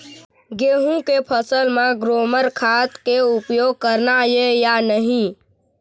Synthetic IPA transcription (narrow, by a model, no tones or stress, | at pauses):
ɡeɦũkepʰəsəlmẽɡɾoməɾkʰat̪keupjoɡ̚kəɾnajejanəɦĩ